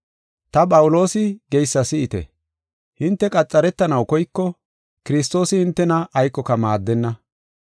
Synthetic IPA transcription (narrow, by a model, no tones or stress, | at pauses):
t̪ɐpʼɐwʊlo̞ːsɪɡɛjsːɐsɪɪt̪ɛ̰ | hɪnt̪ːɛkʼɐt͡sʼːɐɾɛt̪ːɐnɐwkɔjkːɔ | kɪɾɪs̬t̪o̞ːsɪhɪnt̪ːɛnɐʔɐjkːɔkɐmaːd̪ːɛnːɐ